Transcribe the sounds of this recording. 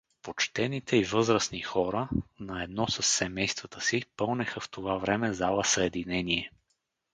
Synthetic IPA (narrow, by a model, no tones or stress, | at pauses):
pot͡ʃt̪ɛnit̪ʰɛivɤzɾəsnixɔɾənɐɛd̪nɔsəsːɛmɛjst̪vɐt̪əsipɤlˠnɛxəft̪ovavɾɛmɛzalˠəsəɛd̪inɛniɛ